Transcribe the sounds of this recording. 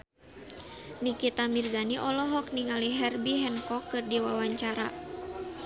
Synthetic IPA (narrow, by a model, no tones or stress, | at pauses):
nikit̪amirzaniʔɔlɔɦɔk̚niŋaliɦɛrbiɦɛnkɔkːɨrdiwawaɲt͡ʃaɾa